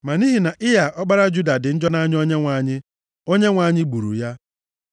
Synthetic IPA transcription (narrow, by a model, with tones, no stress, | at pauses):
ma˨ni˦ɦi˨na˨ʔɪ˦ja˨ʔɔ˦k͡pa˦ɾa˦d͡ʒu˦da˨dɪ˨n̩˦d͡ʒɔ˦na˦ɲ˦ɔ˦ɲe˦ŋʷa˨˦˨ɲɪ˦ | o˦ɲe˦ŋʷa˨˦˨ɲɪ˦ɡ͡bu˨ɾṵ˨ja˦